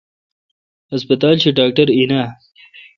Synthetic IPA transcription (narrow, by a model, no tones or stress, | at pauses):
hɐspɐt̪ɑːlt͡ɕiɖɑːk̚ʈɐɾina